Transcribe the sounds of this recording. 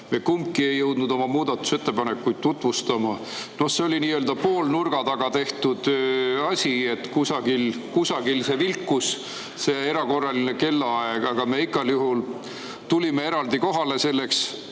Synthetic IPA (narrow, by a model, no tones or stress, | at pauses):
me̞kumkie̞jːɤwd̪nud̪̥o̞mɑmuːd̪̥ɑt̪ːˑu̥se̞t̪ːepɑne̞kːujd̪̚t̪ːut̪ˑvust̪ɑmɑ | no̞hseolʲiniːøːld̪ɑpo̞ːlnurɡ̥ɑd̪ɑɡ̥ɑt̪e̞ht̪ud̪̥ɑsʲie̞t̪kusɑɡ̥ilkusɑɡ̥ilse̞vilkːˑus | se̞e̞ɾɑko̞rːɑline̞ke̞lːɑɑeɡɑɡ̥ɑme̞iɡ̥ɑljuɦul | t̪ulʲime̞e̞ɾɑld̪iko̞ɦɑle̞se̞lːe̞ks